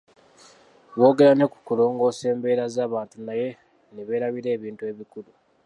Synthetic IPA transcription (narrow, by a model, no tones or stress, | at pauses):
βo̞ːɡe̞ɾane̞ku̥kulo̞ːŋɡo̞ːse̞ːmbe̞ːɾazaːβaːntunaje̞ | neβe̞ːɾaβiɾe̞ːβiːntue̞ːβikulu